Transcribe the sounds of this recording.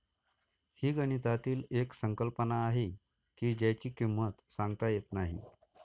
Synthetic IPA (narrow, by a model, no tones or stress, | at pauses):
hiːɡəñit̪at̪iːleksəŋkəlpənaːɦe | kiːd͡ʑat͡ɕiːkimːət̪sãŋɡt̪ajet̪naɦḭ